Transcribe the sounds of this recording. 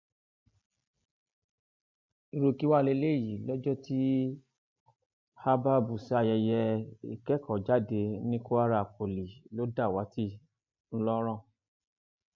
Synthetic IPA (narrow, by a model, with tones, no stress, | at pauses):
i˧ɾo˧ki˦wa˦˨le˧˦le˦˨ji˨lɔ˦d͡ʒɔ˦ti˦ | ha˦ba˦bu˨sa˧jɛ˧jɛ˧i˨kɛ˦kɔ˨d͡ʒa˦de˧nĩ˦ko˦a˦ɾa˧˨ko˨li˨lo˨˦da˦˨wa˨˦ti˦ | n̩˦lɔ˦ɾ̃ɔ̃˦˨